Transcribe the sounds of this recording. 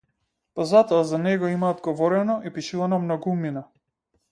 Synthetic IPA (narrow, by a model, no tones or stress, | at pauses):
pazat̪ɔazanɛɡɔimaːd̪ɡɔvɔɾɛnɔʔipiʃilˠanɔmnɔɡumina